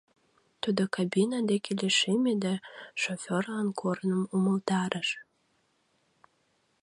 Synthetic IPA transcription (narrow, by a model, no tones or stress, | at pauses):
t̪ud̪okabinɑd̪ekʰeleʃemed̪æʃofʲorlɑnkʰornəmuməlt̪ɑɾʔəʃ